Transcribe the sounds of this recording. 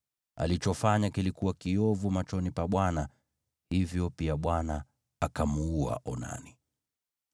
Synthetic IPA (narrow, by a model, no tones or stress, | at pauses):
a̰lit͡ʃɔfaɲakilikuwakiɔvumat͡ʃɔnipaɓwana | hivjɔpiaɓwana | akamuua̰ʔɔna̰ni